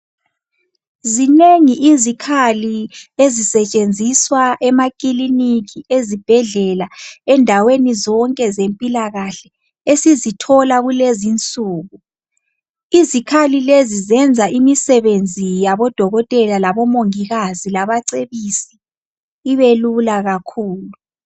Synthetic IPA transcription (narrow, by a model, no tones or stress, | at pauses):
zineŋiʔizikʰaliezisɛt͡ʃʼend͡zʱiswaʔɛmakʼilinikiezib̥ʱɛɮɛlaɛndʱawenizɔŋkʼɛzempʼilaɣaɬɛ | esizitʰɔlaɣulezint͡sʼuːɣu | izikʰalilezizɛnd͡zʱaʔimisɛβend͡zʱijaβɔd̥ʱɔɣɔtʼɛlalaβɔmoŋiɣazilaβaǀeβisi̥ː | βelulaɣakʰuːlu